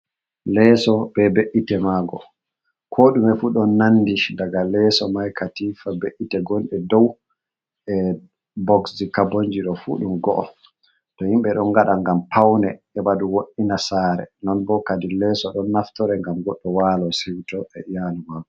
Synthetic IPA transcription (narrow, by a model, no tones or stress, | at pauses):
lɛsɔbɛbeʔitɛmaɡɔ | kʰoɗumɛfuɗɔnːandiʃdaɡalɛsɔmajkʰatifabeʔitɛɡɔnɗɛdɔw | ɛ | bɔksikaboɲd͡ʒiɗɔfṵɗumɡɔʔɔ | tɔhimɓɛɗɔnɡaɗaŋɡampʰawnɛ | ɛbaduwoɗinasaːɾɛ̰nɔnbɔkadilɛsɔɗɔnːaftɔɾɛŋɡamɡɔɗːɔwalɔsewitɔʔɛjalumaɡɔ